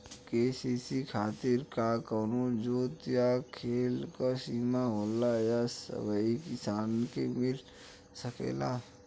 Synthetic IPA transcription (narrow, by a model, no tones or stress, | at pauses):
keːsisikʰaːt̪ɪɾkakənõd͡ʒoːt̪jakʰeːlkasiːmaɦoːlajasə̰ʋəikɪsaːnkemɪl | səkḛːla